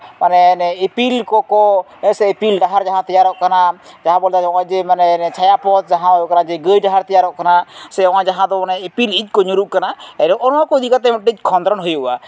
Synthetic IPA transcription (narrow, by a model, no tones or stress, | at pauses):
manɛnɛepilkɔkɔ | ɛsɛipilɖaɦaɾd͡ʒaɦãt̪ɛjaɾɔʔkanad͡ʒaɦãbɔld̪ad͡ʒɔ̃ãd͡ʒɛmanɛnɛt͡ʃʰajapɔt̪̚d͡ʒaɦãjɔʔkanad͡ʒɛɡəjɖaɦaɾt̪ijaɾɔʔkanasɛɔ̃wãd͡ʒaɦãd̪ɔanɛipilit̪̚ˀkɔɲuɾuʔ̚kanaɛɾɔʔɔnãkɔd̪ʱikat̪̬ɛmɔʈic̪̚kʰɔnd̪ɾɔnɦujoa